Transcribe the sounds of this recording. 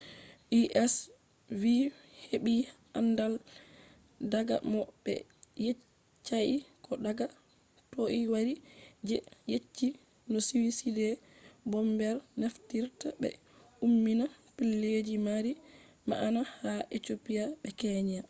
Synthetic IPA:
ʔiʔɛs | vi | heɓi | andal | daɡa̰mɔbɛ̰ | je | t͡ʃːajikɔdaɡa | toʔiwaɾid͡ʒɛjet͡ʃːi | nɔsiwisidɛbɔmbɛɾnaftiɾtabɛ̰ | umːinapilːed͡ʒimaɾi | ma̰ʔanahaʔetopiaɓɛkɛɲa

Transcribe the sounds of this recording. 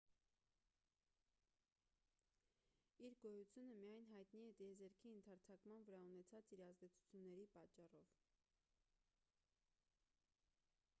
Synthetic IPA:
iɾɡɔjut͡sʰjunəmijɑjnɦɑjt̪niɛt̪ɛɛzɛɾkʰiənt̪ʰɑɾt͡sʰɑkmɑnvəɾɑunɛt͡sʰɑt͡siɾɑzd̪ɛt͡sʰu̥t͡sʰjunːɛɾipɑt͡ʃːɑrɔv

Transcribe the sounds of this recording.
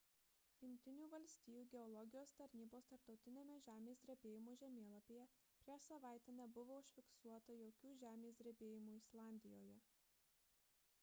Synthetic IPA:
jʊŋʲk̚ʲt̪ʲɪnʲuːʋɐlʲsʲt̪ʲiːjuːɡʲɛɔlˠɔɡʲɪjoːst̪ɐɾʲnʲiːboːst̪ɐɾp̚t̪ɒʊt̪ʲɪnʲeːmʲɛʒʲæːmʲeːsd̪ɾʲɛbʲeːjɪmuːʒʲɛmʲeːlˠɐpʲeːjɛpʲɾʲiɛʃsɐʋɑˑɪt̪ʲeːnʲɛbʊʋoːʊʃʲfʲɪksuɔt̪ɐjoːkʲuːʒʲæːmʲeːsʲd̪ʲɾʲɛbʲeːjɪmuːɪslˠɑˑnʲd̪ʲɪjoːjɛ

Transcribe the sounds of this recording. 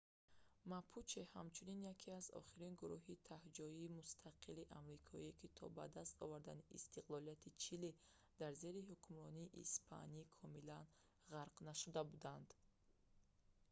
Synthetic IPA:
mapʰut͡ʃehamt͡ʃʰuninjakʰiazɔ̰χiɾinɡuɾuɦit̪ʰahd͡ʒɔiːmust̪ʰaqʰiliʔamɾikʰɔiekit̪ʰɔ̰ba̰d̪ast̪ɔ̰vaɾd̪aniḭst̪iqlɔlijat̪ʰit͡ʃʰili | d̪̥aɾze̞ɾihukʰumɾɔniːʔḭspʰa̰niikʰɔmilan | ʁaɾqnaʃud̪abud̪and̪

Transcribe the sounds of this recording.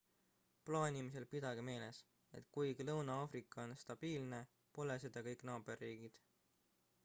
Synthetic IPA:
plɑːinʲimise̞lpid̪̥ɑɡ̥eme̞ːle̞s | e̞̰t̪ˑkujɡ̥lɤwnɑɑːfɾikˑːɑo̞nst̪ɑb̥iːlne̞ | po̞lesed̪̥ɑkɤjkˑnɑːb̥e̞rːiːɡ̥id̪̥

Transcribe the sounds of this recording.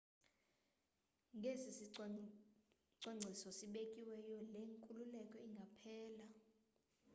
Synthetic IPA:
ŋɡʱesis | ǀwaŋ͡ǀʱisɔsiɓekʼiwɛjɔleŋkʼululɛkʼɔiŋɡʱapʰɛːla

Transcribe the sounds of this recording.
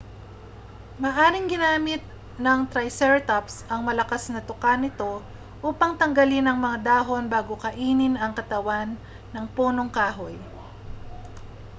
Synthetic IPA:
mɐʔaːɾɪŋɡɪnaːmɪt̪̚ | nɐŋt̪ɾɐjsɛɹt̪apsʔɐŋmɐlɐkasnɐt̪ʊkanɪt̪o̞ | ʔuːpɐŋt̪ɐŋɡɐlɪnɐŋmɐŋad̪aːɦo̞nbaːɡokɐʔiːnɪnɐŋkɐt̪ɐwanː | ɐŋpuːno̞ŋkaːɦoj

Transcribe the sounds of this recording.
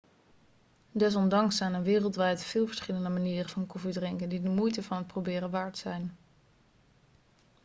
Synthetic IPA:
dɛs̬ɔndɑŋsɛjnənʋɪːrəlˠtʋɛjtv̥ɪːlˠvəɹsχɪləndəmaniːrəvɑnkɔfidrɪŋkəndidəmujtəvɑnɦət̚prowbɪːrəʋaːɹtsɛjn

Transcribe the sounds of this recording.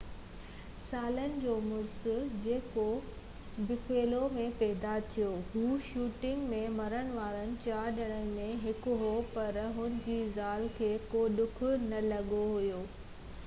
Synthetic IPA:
saːlənɪ̆d͡ʑoːmʊɾsʊ̆d͡ʑeːko | bɪfeːlomẽpɛːɦd̪at̪ʰijoɦuːʃuːʈɪ̃ŋɡmẽmɐɾəɽ̃ʋaːɾənɪ̆t͡ɕaːɾɗɐɽ̃ənɪ̆mẽɦɪkʊɦopɐɾɦʊnɪ̆d͡ʑiːzaːlkʰeːkoɗʊkʰʊ̆nɐlɐɠoɦʊjoː

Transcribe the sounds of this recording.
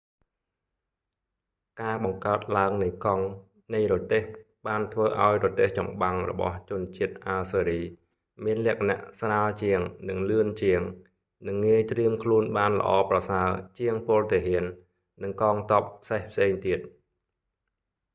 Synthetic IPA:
kaːɓɑŋkaət̪̚laəŋnɨjkɑŋ | nɨjrɔt̪eːh | ɓaːnt̪ʰʋəːʔaɔjrɔt̪eːht͡ɕɑ̰mɓaŋrɔ̰ɓɑ̰ht͡ɕʊ̆ənt͡ɕiət̪̚ʔalsəːɾiː | miənlɛ̆əkʰana̰ʔsraːəlt͡ɕiəŋnɨŋlɨənt͡ɕiəŋ | nɨŋːiəjt̪riəmkʰluənɓaːnlə̰̆ʔɑːprɑsaət͡ɕiəŋpŏəlt̪eɦiənː | ɨŋkɑːŋt̪op̚pʰːsehpʰseːŋt̪iət̪̚

